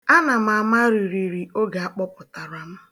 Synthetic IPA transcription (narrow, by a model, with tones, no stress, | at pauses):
a˦na˨ma˨a˨ma˦ɾi˨ɾi˨ɾi˨o˦ɡa˨a˦k͡pɔ˦pʊ˨ta˨ɾʊ˨˦a˦ma˦